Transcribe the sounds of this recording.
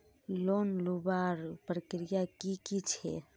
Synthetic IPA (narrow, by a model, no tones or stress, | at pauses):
lonlubaɾpɾəkɾijakikit͡ʃʰɛ̰